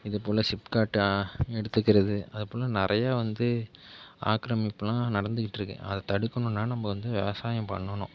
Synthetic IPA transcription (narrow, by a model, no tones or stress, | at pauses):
ɪðɐpoːlɐsɪpkaːʈːɯɛɽɯt̪ːɯkːɪɾɐðɯɐðɛpoːlɐnɪɾʔɐjaːʋɐnd̪ɯ | a̰ːkɾɐmɪpːɐlãːnɐɽɐnd̪ɯkːɪʈːɪɾɯkːḛ̃ːʔɐðɐt̪ɐɽɯkːɐɳʊ̃nːaːnɐmːɐʋɐnd̪ɯʋɛ̰ʋɐsaːjɐ̃mpɐ̰ɳːɐɳʊ̃